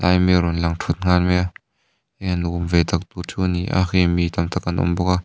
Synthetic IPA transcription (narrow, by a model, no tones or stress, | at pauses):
ʔajmeɾɔnlɐŋtʰut̪̚ŋ̥anmɛa | eanɡʊmvɛt̪ɐk̚t̪ut͡sʰuniʔa̰xemit̪ɐmt̪ʰakɐnʔṵmbɔka